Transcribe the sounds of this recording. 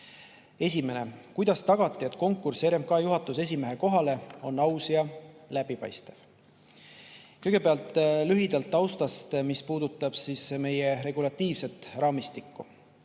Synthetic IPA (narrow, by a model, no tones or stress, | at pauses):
e̞s̬ʲime̞ne̞kujd̪̥ɑst̪ɑɡ̥ɑt̪ːˑie̞t̪ːˑko̞ŋkːˑurse̞ɾe̞mkɑːjuɦɑt̪ːˑuse̞s̬ʲime̞ɦe̞ko̞ɦɑle̞o̞nːɑwsjɑlæbipɑ̰jst̪ev̥ | kɤjɡ̥e̞peɑlt̪ˑːlyɦid̪̥ɑlt̪ːˑɑwst̪ɑst̪mispuːd̪ut̪ːˑɑb̥sisme̞je̞ɾe̞ɡ̥ulɑt̪ːiːvse̞t̪ːˑrʔɑːmist̪ikːu